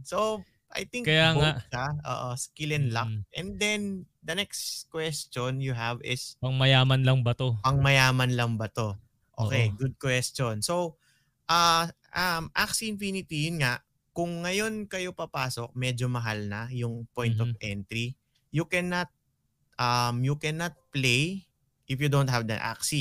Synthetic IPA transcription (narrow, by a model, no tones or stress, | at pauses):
sow | ʔɐ̰jt̪ɪŋkɐjaŋbaʃaʔo̰ːʔoskilɛnlɐk̚ʔɛnd̪ɛnd̪ɐnɛkskwɛst͡ʃonjʊɦɐvɪspɐŋmɐjaːmɐnlɐŋbɐt̪opɐŋmɐjaːmɐnlɐŋbɐt̪o̞ | ʔo̰kejɡʊd̪̚kwɛst͡ʃonso̞ | ʔɐ | ʔɐmʔaksiɪnfinɪt̪ijʊnŋaʔ | kʊŋːɐjo̞nkɐjo̞pɐpaːsok̚mɛd͡ʒomɐɦalnɐjʊŋpojnt̪ɔvʔɛnt̪ɾi | jʊkɛnɐt̪̚ | ʔɐmjʊkɛnɐt̪̚plej | ʔɪfjud̪ont̪̚ɦɐvd̪ɐ̰ʔa̰k̚si